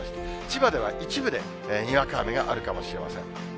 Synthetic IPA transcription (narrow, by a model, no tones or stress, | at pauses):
ɕi̥t̪et͡ɕibad̪e̞βa̰ʔit͡ɕibɯ̟d̪e̞̰ | ɲ̟iβakaːmeɡaʔaɾɯ̟kamo̞ɕiɾe̞ma̰sẽ̞̰ŋ